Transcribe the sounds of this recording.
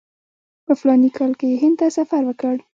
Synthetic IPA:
pəflɑnikʰɑlkejeɦɪnd̪̚t̪asafaɾwəkəɽ

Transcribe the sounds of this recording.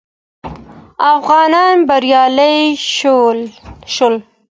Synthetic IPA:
afɣɑnɑnbaɾjɑləj | ʃol

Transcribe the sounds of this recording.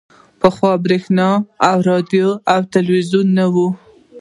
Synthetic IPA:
pəxwɑbɾexnɑawɾɑd̪ijoawt̪alwizunːawu

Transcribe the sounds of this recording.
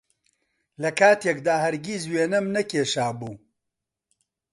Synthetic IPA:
lɐkʰaːt̪jekd̪aːhɐɾɡʲizweːnɐmnɐkeːʃaːbuː

